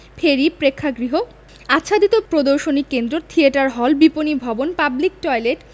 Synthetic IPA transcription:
fʰeɾipɾekʰːaɡɾiɦo | atːɕʰad̪it̪opɾod̪oɾʃonikːend̪ɾot̪ʰieʈaɾɦɔlbiponibʱɔbonpablik̚ʈɔjleʈ

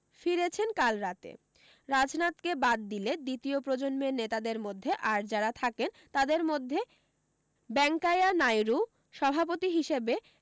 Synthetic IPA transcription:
fiɾet͡ɕʰenkalɾat̪ḛ | ɾad͡ʑnat̪kebad̪ːiled̪it̪iopɾod͡ʑonmenet̪ad̪eɾmod̪ʱːeʔaɾd͡ʑaɾat̪ʰaken | t̪ad̪eɾmod̪ʱːe | bɛŋkajanajɾu | ʃɔbʱapot̪iɦiʃebe

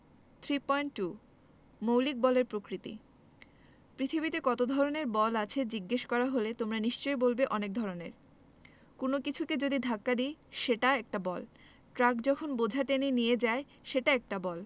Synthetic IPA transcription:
t̪ʰɾipɔjɳʈʈːu | mowlik̚bɔleɾpɾokɾit̪ḭ | pɾit̪ʰibit̪ekɔt̪od̪ʱɔɾoneɾbɔlat͡ɕʰed͡ʑiɡːeʃkɔɾaɦolet̪omɾaniʃt͡ɕoebolbeʔɔnek̚d̪ʱɔɾonḛɾ | konokit͡ɕʰuked͡ʑod̪id̪ʱakːad̪iʃeʈaɛk̚ʈabɔl | ʈɾakd͡ʑɔkʰonbod͡ʑʱaʈenenijed͡ʑae | ʃeʈaɛk̚ʈabɔl

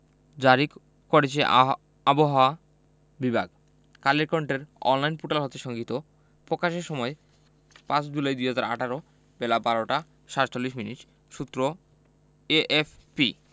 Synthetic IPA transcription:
d͡ʑaɾi | kɔɽet͡ɕʰe | aboɦaoa | bibʱa̰ɡ | kaleɾkaɳʈeɾɔ̰nlajnpuʈalɦɔt̪eʃɔŋɡit̪o | pɾokaʃeɾʃɔmɔe | pãt͡ɕd͡ʑulajd̪ieɦad͡ʑaɾa̰ʈʰaɾo | belabaɾoʈa | ʃaɾt͡ɕolːiʃminiʈ | ʃut̪ːɾo | eʔefpi

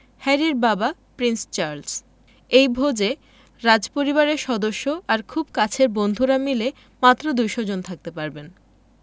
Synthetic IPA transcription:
hɛɾiɾbabapɾinst͡ɕaɾls | ejbʱod͡ʑe | ɾad͡ʑpoɾiβaɾeɾʃɔd̪oʃːoʔaɾkʰub̚kat͡ɕʰeɾbond̪ʱuɾamile | mat̪ːɾod̪ujʃɔd͡ʑont̪ʰak̚t̪epaɾben

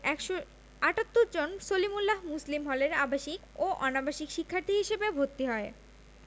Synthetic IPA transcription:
ɛkʃo | aʈat̪ːoɾd͡ʑonsolimulːaɦmuslimɦɔleɾabaʃik | oʔɔnabaʃikʃikʰːaɾt̪ʰiɦiʃebebʱoɾt̪ːiɦɔe

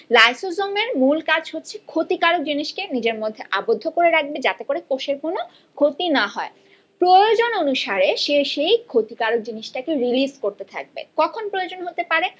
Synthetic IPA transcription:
lajsozomeɾmulkad͡ʑɦotːɕʰekʰot̪ikaɾok̚d͡ʑiniʃkenid͡ʑeɾmod̪ʱːeʔabod̪ʱːokoɾeɾak̚bed͡ʑat̪ekoɾekoʃeɾkono | kʰot̪inaɦɔe | pɾojod͡ʑononuʃaɾeʃeʃejkʰot̪ikaɾok̚d͡ʑiniʃʈakeɾiliskoɾt̪et̪ʰa̰k̚bḛkɔkʰonpɾojod͡ʑonɦot̪epaɾe

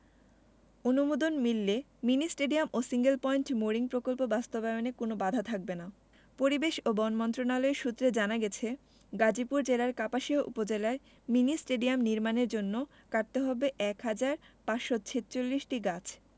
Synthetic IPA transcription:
onumod̪onmilːe | minisʈeɖiamosiŋɡelpɔiɳʈmoɾiŋpɾokolpobast̪obaonekonobad̪ʱat̪ʰak̚bena | poɾibeʃobɔnmɔnt̪ɾonaloeʃut̪ːɾed͡ʑanaɡɛt͡ɕʰe | ɡad͡ʑipuɾd͡ʑelaɾkapaʃiɦoʔṵpod͡ʑelae | minisʈeɖiamniɾmaneɾd͡ʑonːo | kaɾt̪eɦɔbeʔɛkɦad͡ʑaɾpaʃot͡ɕʰetːt͡ɕolːiʃʈiɡat͡ɕʰ

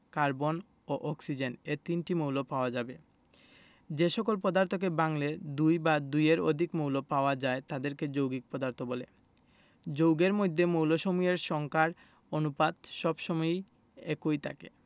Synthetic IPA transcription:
kaɾbon | oʔɔksid͡ʑenet̪inʈimowlopaoad͡ʑabe | d͡ʑeʃɔkolpɔd̪aɾt̪ʰok̬ebaŋled̪ujbad̪ujeɾo̰d̪ʱikmowlopaoad͡ʑaet̪ad̪eɾked͡ʑowɡik̚pɔd̪aɾt̪ʰobɔlḛ | d͡ʑowɡeɾmojd̪ʱːemowloʃomujeɾʃɔŋkaɾ | onupad̪ʃɔbʃɔmɔj | ekojt̪ʰa̰kḛ

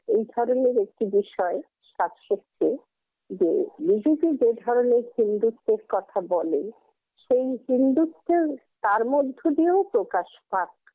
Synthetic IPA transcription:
ejd̪ʱɔɾoneɾek̚ʈibiʃɔe | ʃat̪ʃot͡ɕʰe | d͡ʑḛbid͡ʑuɡid͡ʑed̪ʱɔɾoneɾhind̪ut̪ːeɾkɔt̪ʰabɔle | ʃejɦind̪ut̪ːeɾt̪aɾmod̪ʱːod̪iopɾokaʃpak

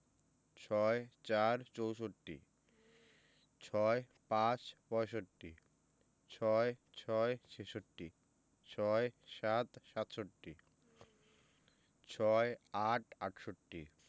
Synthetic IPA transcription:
t͡ɕʰɔet͡ɕaɾt͡ɕowʃoʈːḭ | t͡ɕʰɔe | pãt͡ɕpɔeʃoʈːḭ | t͡ɕʰɔet͡ɕʰɔet͡ɕʰeʃoʈːi | t͡ɕʰɔeʃat̪ʃat̪ʃoʈːi | t͡ɕʰɔeaʈʰa̰ʈʃoʈːi

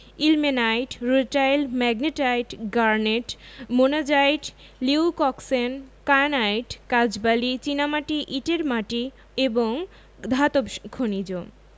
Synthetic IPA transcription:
ilmenajʈɾoʈajlmɛɡneʈajʈɡaɾneʈmonad͡ʑajʈ | liukɔksenkanajʈkad͡ʑbalit͡ɕinamaʈiʔiʈeɾmaʈi | eboŋ | d̪ʱat̪obkʰonid͡ʑo

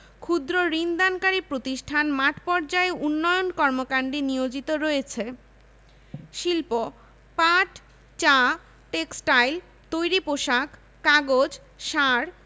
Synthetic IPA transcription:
kʰud̪ɾoɾind̪ankaɾipɾot̪iʃʈʰanmaʈpɔɾd͡ʑaeunːɔjonkɔɾmokaɳɖinijod͡ʑit̪oɾɔjet͡ɕʰe | ʃilpo | paʈ | t͡ɕa | ʈeksʈajl | t̪ojɾipoʃakː | aɡod͡ʑ | ʃaɾ

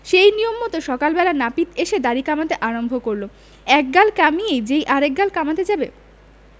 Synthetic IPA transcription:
ʃejnijomːɔt̪oʃɔkalbɛlanapit̪eʃed̪aɾikamat̪eʔaɾombʱokoɾlo | ɛk̚ɡalkamiejd͡ʑejʔaɾek̚ɡalkamat̪ed͡ʑabe

